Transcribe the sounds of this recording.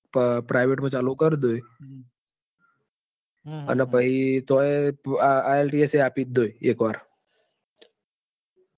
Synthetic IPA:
ppɾajʋeʈmə̃t͡ʃalukəɾd̪oj | a̰napəɦit̪oe | aelʈieseapiːt̪̚d̪ojekʋaɾ

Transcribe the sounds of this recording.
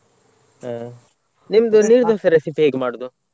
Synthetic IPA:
nimd̪uniːɾd̪osɐɾesipiɦeːɡmaːɽod̪u

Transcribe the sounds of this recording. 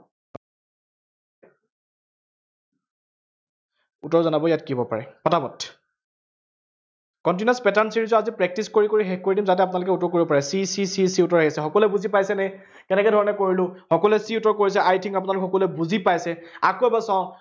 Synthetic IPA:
utɔɹzɔnabɔjatkibɔpa̰ɹɛpɔtʰabɔtʰ | kɔnt̬inaspɛtansiɹizɔazipɹɛk̚tiskoɹikoɹiɦɛkkoɹidimzat̬ɛap̬ʊnalʊkɛutɔɹkoɹibɔpaɹɛsisisisiutɔɹeɦisɛxɔkɔlɛbuzipajsɛnɛ | kɛnɛkɛdʱɔɹɔnɛkoɹilʊ̃xɔkɔlɛsiutɔɹkoɹis̬ɛajtʰiŋkap̬ʊnalʊkɛxɔkɔlɛbuzipajsɛakobasaʊ̃

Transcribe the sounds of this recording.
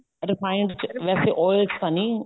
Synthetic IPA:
ɾɪfaɪ̃ɳɖɖʋɛːseʔɔːɪlst̪ãnĩ

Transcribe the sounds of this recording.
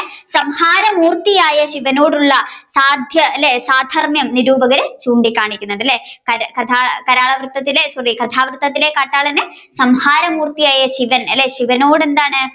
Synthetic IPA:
sɐmhaːɾɐmuːrt̪ijaːjɐɕiʋɐnoːɽuɭːɐsaːd̪ʱjɐɐlːesaːd̪ʱɐrmjɐmniɾuːbɐɣɐɾet͡ɕuːɳɖikʲːaːɳikʲːunːɐɳɖɐlːekɐɾkɐt̪ʰaːkɐɾaːɭɐʋrɨt̪ːɐt̪ːilesɐrikɐt̪ʰaːʋrɨt̪ːɐt̪ːile̞kaːʈːaːɭɐnɨ | sɐmhaːɾɐmuːrt̪ijaːjɐɕiʋɐnɐlːe̞ːɕiʋɐnoːɽe̞nd̪aːɳɨ

